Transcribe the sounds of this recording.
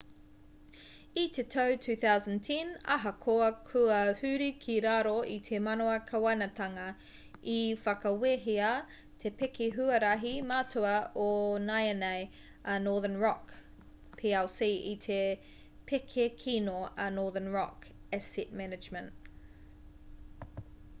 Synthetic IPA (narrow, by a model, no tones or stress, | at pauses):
it̪ʰetʰowtʰʉːθawzəntʰɛ̃nɐ̰ɦɐkʰoɐkʰʉɐhʉːɾikʰiɾaːɾoʔit̪ʰemɐnoɐkʰɐwɐnɐt̪ʰɐŋɐ | ifɐkɐweɦiɐ | t̪ʰepekʰeɦʉɐɾɐɦimaːtʰuɐonajɐnej | ɐnoːðənɹɔk | pʰiːalsiit̪ʰe | pʰekʰekʰinoɐnoːðənɹɔkɛsit̚mɛnɪd͡ʒmə̃nt